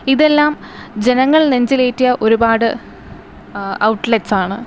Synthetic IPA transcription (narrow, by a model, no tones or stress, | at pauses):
iðe̞lːaːm | d͡ʑe̞nɐŋːɐɭneɲd͡ʑile̞ːtːijɐʔo̞ɾubaːɽɨ | ɐwʈːletːsaːɳɨ